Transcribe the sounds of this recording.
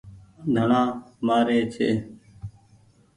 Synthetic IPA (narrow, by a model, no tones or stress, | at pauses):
d̪ʱəɳãːmaːɾeːt͡ʃʰḛː